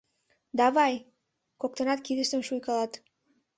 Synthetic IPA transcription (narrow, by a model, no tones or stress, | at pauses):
d̪ɑvɑj | kok̚t̪ɑnɑt̪̚kʲid̪ɘst̪enʃujkɑlˠɑt̪